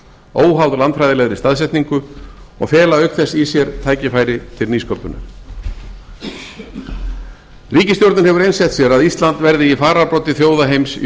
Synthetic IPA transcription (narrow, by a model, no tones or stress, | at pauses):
oːwɦawðlant̪fɾajðɪlɛɣðɾɪst̪aðsɛht̪niŋkʏɔ̰ɣfɛːlaœhkθɛsːisjɛɾt̪ʰaːjcɪfaːjɾɪt̪ʰɪlniːskopʏna̰ | riːcɪst̪jowɾɪnɦɛvʏɾejnsɛt̪sjɛɾaðist̪lant̪vɛɾðɪifaːɾaɾpɾɔwt̪ɪθjoːwðaɦejms